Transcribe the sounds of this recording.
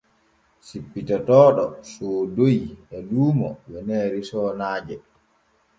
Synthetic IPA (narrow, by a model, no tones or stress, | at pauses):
sipːitatɔːɗɔsoːdojɛluːmɔ̰wɛnɛːɾisɔːnaːd͡ʒɛ